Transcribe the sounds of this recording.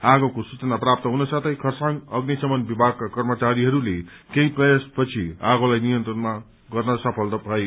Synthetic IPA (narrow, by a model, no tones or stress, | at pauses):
aɡʌkosut͡sʌnaprap̚t̪ʌɦunʌsʌt̪ʰʌjkʰʌrsaŋʌɡnisʌmʌnbibʱaɡ̚kakʌrmʌt͡saɾiɦʌɾule | keĩprʌjaspʌt͡sʰiaɡolajnijʌnt̪rʌnma | ɡʌrnʌsʌpʰʌlt̪ʌbʱʌe